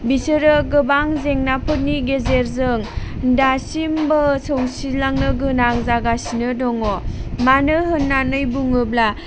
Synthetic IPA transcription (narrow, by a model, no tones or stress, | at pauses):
bisɯɾɯɡɯbaŋzeŋnapʰɯt̚niɡezeɾzɯŋ | dasimbɯsowsilaŋnɯɡɯnaŋzaɡasinɯdɔŋɔmanɯɦɯnːanɯjbuŋɯbla